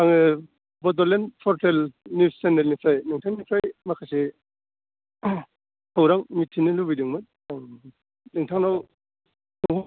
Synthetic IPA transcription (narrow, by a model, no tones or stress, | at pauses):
aŋ | bɔdɔlenpʰɔɾtʰelnisendelnipʰajnɯŋtʰaŋnipʰajmakʰase | hʰawɾaŋmitʰinilubidiŋmat̚ | a | nɯŋtʰaŋnaw | nuŋ